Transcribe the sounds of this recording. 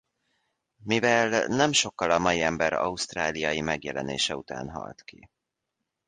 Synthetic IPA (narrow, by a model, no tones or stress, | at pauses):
mivɛlnɛmʃo̞kːɒlɒmɒjiɛmbɛɾɒ̰ust̪raːlijɒjimɛɡjɛlɛnḛːʃɛut̪a̰ːnɦɒ̰lt̪ki